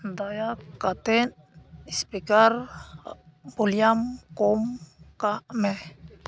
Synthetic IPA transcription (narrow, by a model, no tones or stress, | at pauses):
d̪ajakːat̪en | ispikar | buljamkomkamɛ